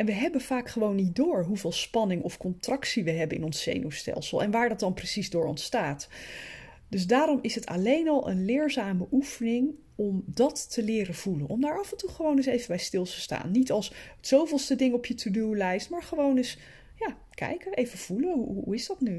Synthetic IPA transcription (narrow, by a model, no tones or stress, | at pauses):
ɛnʋəɦɛbənv̥aːkχəʋownːit̚dʊːɹɦuvɪːlˠspɑnɪŋɔfkɔntrɑksiʋəɦɛbənɪ̰nɔnsːḛjnowstɛ̰lˠsəlˠɛ̰nʋaːɹdɑt̚dɑnprəsizdʊːɹɔ̰ntstaːt | dɵzdaːɾɔmɪsɦətɑ̰lejnɑlˠʔə̰nlɪːɹzaːməʔufənɪŋ | ɔmdɑtːəlɪːɾənv̥ulənʔɔmdaːɹɑvɛntuχəʋownɪsejvəbɛjstɪlˠtəsta̰ːnːitɑlˠsətsowvɪlˠstədɪŋɔpjətʰudulɛjstmaːɹχəʋownɪs | jaː | kɛ̰jkəʔejvəv̥uləɦuuuɪzdɑtny